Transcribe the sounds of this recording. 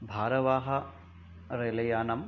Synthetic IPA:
bʱaːɾɐʋaːɦɐ | ɾelɐjaːnɐm

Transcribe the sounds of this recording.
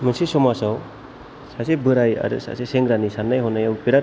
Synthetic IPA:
mɯnsisɔmasaw | sasebɯɾaja̰ɾɯ̰sa̰seseŋɡɾanisanːajɦɔnajawpiɾa

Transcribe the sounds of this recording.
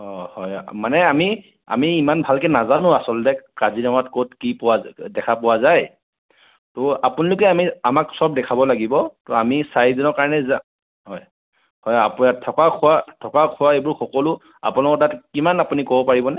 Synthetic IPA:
ɔhɔjmanɛami | a̰miːmanbʱalkɛnazanʊ̃asɔltɛkazinɔŋɔatkotkipʊwadɛkʰapɔwazaj | tɔapunalʊkɛamiamaksɔb̚dɛkʰabɔlaɡibɔtɔamisajdɔnɔɹkaɹnɛza | hɔj | hɔjapatʰɔkakʰʊwatʰɔkakʰʊwaebʊɹxɔkɔlʊ | a̰pʊnalɔkɔɹtatkimanapunikɔbɔpaɹibɔnɛ

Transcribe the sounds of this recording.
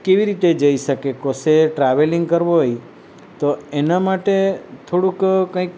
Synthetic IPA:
keʋiɾit̪ed͡ʒəiʃəkekoseʈɾaʋeliŋɡkəɾʋoɦoj | t̪oenamaʈet̪ʰoɽũkkə̃ik

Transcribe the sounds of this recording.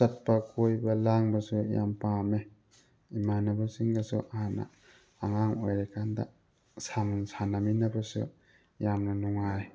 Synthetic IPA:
sɐt̚pakojbɐlaŋbɐsuja̰mpãme | imanɐbasiŋɡasṵʔahanɐ̰ː | ŋaŋojɾekʰanda̰ | samunsanaminɐbɐsṵ | jamnɐnuŋaj

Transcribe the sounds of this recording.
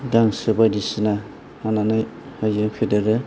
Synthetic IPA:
daŋsɯbadisina | anana | hajɯpʰidɯɾɯ

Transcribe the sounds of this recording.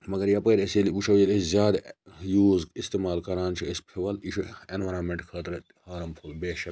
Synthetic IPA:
mɐɡɐɾjapɐːɾesiliut͡ʃʰɐwjeleszʲjaːd̪juːzist̪emaːlkɐɾaːnt͡ʃʰiespʰeʋɐliʃʰuenʋɐɾaːmeɳʈkʰɐːt̪ɾɐt̪haːɾɐmpʰulbeːʃɐ

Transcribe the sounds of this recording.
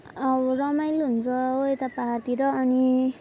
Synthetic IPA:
ʌbɔrʌmajlɦunt͡sʰʌoet̪apaɦart̪iɾʌːni

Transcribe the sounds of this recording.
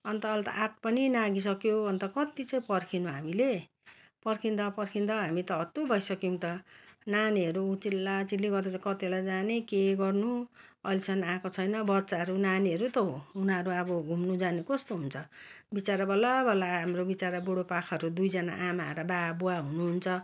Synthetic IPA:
ʌnt̪ʌːlt̪a̰ʔaʈ̚pʌninaɡis̬ʌkjobʱʌnt̪ʌkʌt̪it͡sʌĩpʌrkʰinũɦamile | pʌrkʰind̪ʌpʌrkʰind̪ʌɦamit̪ʌʌt̪obʱʌjsʌkiũt̪ʌnaniʌɾuut͡silːat͡silːiɡʌrd̪at͡sakʌt̪ilajd͡zanekeɡʌrnu | ʌjlsʰʌnãkot͡sʰʌjnʌbʌtːt͡saʌɾunaniɦʌɾut̪ʌunaɾuʌbʌɡʱumnud͡zanekʌst̪oɦunt͡sʰʌ | bit͡saɾʌbʌlabʱʌlaɦamrobit͡saɾʌboɽopakʰʌʌɾud̪ujd͡zʌna̰ʔamaḛɾʌbabuaɦunuɦunt͡sʰʌ

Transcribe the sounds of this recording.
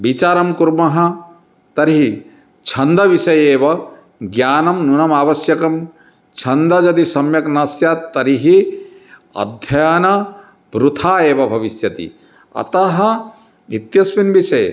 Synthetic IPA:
bit͡ʃaːɾɐmkuɾmɐɦɐ̆ | t̪ɐɾiɦi | t͡ʃʰɐnd̪ɐʋiʃɐjeːʋɐ | ɡjaːnɐmnunɐmaːʋɐsjɐkɐm | t͡ʃʰɐnd̪ɐd͡ʒɐt̪isɐmjɐknasjat̪ːɐɾiɦi | ɐ̰d̪ʱjɐjanɐ | bɾut̪ʰaːeːʋɐbʱɐʋisjɐt̪ḭ | ɐ̰t̪ɐɦɐ̆ | nit̪jɐsʋinbisɐj

